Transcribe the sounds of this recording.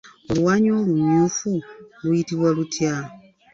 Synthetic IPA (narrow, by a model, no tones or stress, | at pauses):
olwaːɲo̞ːluɲuːfulwjitiβwalutʰja